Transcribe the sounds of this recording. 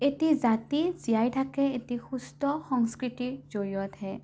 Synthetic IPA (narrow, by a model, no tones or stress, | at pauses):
et̪id͡ʒat̪izijajʈʰakeet̪ixust̪ɔsɔŋskɾitid͡ʒojɔt̪ʰɛ